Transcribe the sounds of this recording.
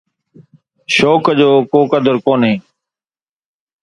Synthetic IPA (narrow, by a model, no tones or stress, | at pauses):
ʃoːkd͡ʒoːkoːkəd̪əɾkoːnɦeː